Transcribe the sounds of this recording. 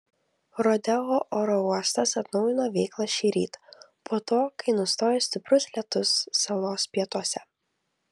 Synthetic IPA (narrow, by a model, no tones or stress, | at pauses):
ɾoːd̪ʲɛoːʔoːɾɔuɔst̪ɐsɐt̪nɒʊjɪnoːʋʲɛɪklˠɐʃʲiːɾʲḭːt̪ | poːt̪oːkɐɪnʊst̪oːjeːsʲt̪ʲɪpʲɾʊsʲlʲɛt̪ʊsːɐlˠoːspʲiɛt̪uɔsʲɛ